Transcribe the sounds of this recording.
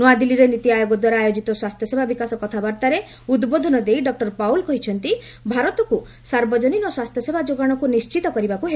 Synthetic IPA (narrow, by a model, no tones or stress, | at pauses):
nɔad̪iliɾenit̪iajoɡɔd̪waɾaːjod͡ʒit̪ɔswast̪ʰjɔsebʱabikasɔkɔt̪ʰabaɾt̪aɾe | ud̪bod̪ʱɔnɔd̪ejɖɔk̚ʈɔɾpawlkɔɦit͡ʃʰɔnt̪i | bʱaɾɔt̪ɔku | saɾbɔd͡ʒɔninɔswast̪ʰjɔsebʱad͡ʒoɡaɽ̃ɔkunist͡ʃit̪ɔkɔɾibakuɦe